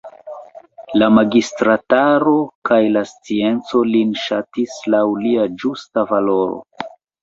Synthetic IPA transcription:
lamaɡistɾataɾo̞kajlast͡sie̞nt͡so̞linʃatislawliad͡ʒustavalo̞ɾo̰

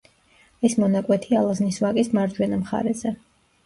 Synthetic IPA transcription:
ɛsmɔnakʼwɛt̪ʰialˠazniswakʼismaɾd͡ʒwɛnamχa̰ɾɛzɛ

